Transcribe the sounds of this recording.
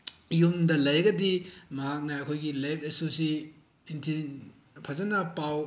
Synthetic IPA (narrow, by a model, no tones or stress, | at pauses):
jumdɐlɐjɡɐdimɐɦak̚nɐːjkʰojɡilajt̚esusi | intʰin | pʰazɐnɐpaw